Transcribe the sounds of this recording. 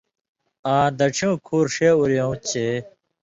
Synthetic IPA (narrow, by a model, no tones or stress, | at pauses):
ãːd̪ɐʈ͡ʂʰjõːkʰuːɾʂeuɾjõt͡ɕʰe